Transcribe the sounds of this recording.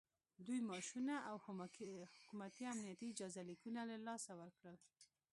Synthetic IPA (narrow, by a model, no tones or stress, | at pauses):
d̪ujmɑʃunaʔawhhʊkumat̪iamnijat̪iːd͡ʒɑzalikunalalɑsawəɾkɽəl